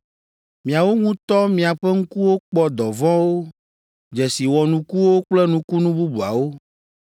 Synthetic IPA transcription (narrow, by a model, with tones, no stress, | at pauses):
mĩ˨a˨wo˦ŋũ˦t̪ɔ˦mĩ˨a˨ɸɛ˦ŋ̩˦ku˦wo˦k͡pɔ˦d̪ɔ˨vɔ̃˦wo˦ | d͡ʒɛ˨si˨wɔ˨nũ˦ku˦wo˦k͡plɛ˦nũ˦ku˦nũ˦bu˦bu˨a̰˨wo˦